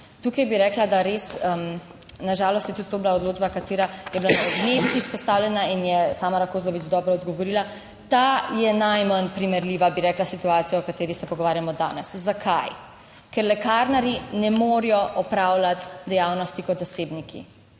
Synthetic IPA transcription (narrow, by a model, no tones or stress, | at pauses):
t̪ukajbiɾɛklad̪aɾesəm | naʒaːlɔst̪jɛt̪ut̪ːoːbilaɔd̪loːd͡ʒbakat̪eːɾajɛbilananebit̪ispɔst̪aːwlʲɛnainjɛt̪amaɾakoːzlɔʋid͡ʒd̪ɔːbɾɔɔd̪ɡɔʋɔɾiːla | t̪ajɛnajmənpɾimɛɾliʋabiɾɛːklasit̪uaːt̪sijɔɔkat̪eːɾixsɛpɔɡɔʋaːɾjamɔd̪a̰ːnɛszakʰaj | kɛɾlɛkaɾnaɾinɛmoːɾijɔʔɔpɾawlat̪d̪ɛjawnɔst̪ikɔt̪zaseːbnikʰḭ